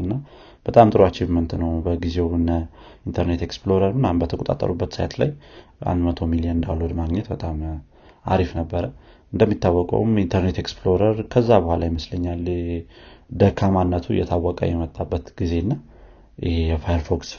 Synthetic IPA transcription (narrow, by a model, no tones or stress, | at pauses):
ɨnːa | b̥ət̪ʼamt̪ʼɨɾoat͡ʃːɪβmənt̪nəwbəɡize̞wɨnːəint̪ʰəɾne̞t̪e̞ksploɾəɾmɨnambət̪ʰəkʼot̪ʼa̰t̪ʼːə̰ɾubːət̪sajt̪la̰jʔa̰nd̪mət̪ʰo̞miliənɨnd̪a̰lod̪maɡɲɛt̪bət̪ʼam | a̰ɾifnəbːəɾə | ɨnd̪əmːit̪ːawːɔkʼə̰wmint̪ʰəɾnet̪eksplo̞ɾəɾkʰəzːabəhʷalajɪməsləɲːal | d̪əkʰamanːət̪ʰujɛ̰t̪ʰawːəkʼə̰jɛmət̪ʼːabːət̪ɡ̥ize̞nːa | ɪhejɛfajəɾfoks